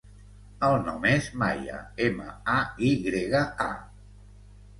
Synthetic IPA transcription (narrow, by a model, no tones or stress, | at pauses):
əlˠnɔmezmajə̰emə̰aiɣɾeɣəa̰